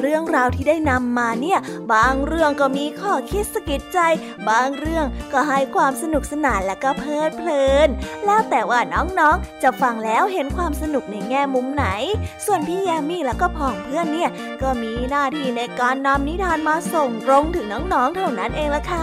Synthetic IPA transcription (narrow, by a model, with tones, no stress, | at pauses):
ɾɯ˥˩əŋɾaː˧wt̪ʰiː˥˩daː˥˩jna˧mːaː˧ni˥˩əbaː˧˩ŋɾɯ˥˩əŋkɔː˥˩miː˧kʰɔː˥˩kʰi˦˥t̪̚sa˧ki˨˩t̪̚t͡ɕa˧j | baː˧˩ŋɾɯ˥˩əŋkɔː˥˩ɦa˥˩jkʰwaː˧msa˧nu˨˩k̚sa˧naː˨˩nlɛː˦˥wkɔː˥˩pʰɤː˥˩t̪̚pʰlɤː˧nlɛː˦˥wt̪ɛː˨˩waː˥˩nɔː˦˥ŋnɔː˦˥ŋt͡ɕa˨˩fa˧ŋlɛː˦˥wɦe˨˦nkʰwaː˧msa˧nu˨˩k̚na˧˩jŋɛː˥˩mu˧mna˩˦jsu˨˩ənpʰiː˥˩jɛː˧miː˥˩lɛː˦˥wkɔː˥˩pʰɔː˨˩ŋpʰɯ˥˩ənːi˥˩ə | kɔː˥˩miː˧naː˥˩t̪ʰiː˧˩na˧jkaː˧nːa˧mni˦˥t̪ʰaː˧nmaː˧so˨˩ŋɾo˧ŋt̪ʰɯː˨˩˦ŋnɔː˦˥ŋnɔː˦˥ŋt̪ʰa˥˩wna˦˥nʔeː˧ŋla˧˥kʰa˦˥˩